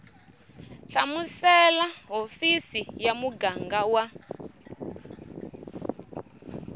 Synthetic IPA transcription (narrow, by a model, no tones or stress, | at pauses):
ɬamusɛlaɦofisijamuɡaŋɡawa